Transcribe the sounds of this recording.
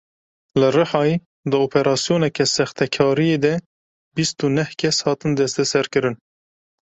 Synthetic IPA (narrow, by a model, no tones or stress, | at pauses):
lɨrɨħɑːji | d̪ɨoːpʰɛɾɑːsijoːnɛkɛsɛxt̪ʰɛkʰɑːɾijeːd̪ɛ | bist̪unɛhkʰɛshɑːt̪ɨnd̪ɛst̪ɛsɛɾkɨɾɨn